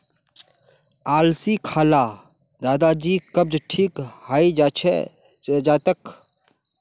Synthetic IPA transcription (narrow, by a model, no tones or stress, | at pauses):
aːlsikʰaːlaː | d̪aːd̪ad͡ʒiːkəb̚d͡ʒʈʰiːkhaːid͡ʒt͡ʃʰ | d͡ʒaːt̪ək